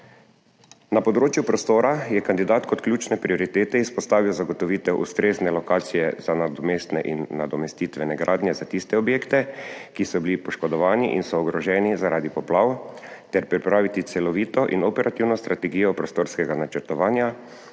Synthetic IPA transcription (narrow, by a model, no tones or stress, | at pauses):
napɔd̪ɾoːt͡ʃjupɾɔst̪oːɾajɛkand̪id̪aːt̪kɔt̪klʲjuːt͡ʃnɛpɾiɔɾit̪eːt̪ɛispɔst̪aːʋiwzaɡɔt̪ɔʋiːt̪ɛwʔṵst̪ɾeːznɛlɔkaːt̪sijɛzanad̪ɔmeːst̪nɛʔinːad̪ɔmɛst̪iːt̪ʋɛnɛɡɾʔaːd̪njɛzat̪ist̪ɛɔbjeːkt̪ɛkisɔbilipɔʃkɔd̪ɔʋaːniʔḭnsɔːɡɾɔʒɛːnizaɾaːd̪ipɔplaːwt̪ɛɾpɾipɾaːʋit̪it̪sɛlɔʋiːt̪ɔʔinɔpɛɾʔat̪iwnɔst̪ɾat̪ɛɡiːjɔpɾɔst̪oːɾskɛɡanat͡ʃɛɾt̪ɔʋaːnja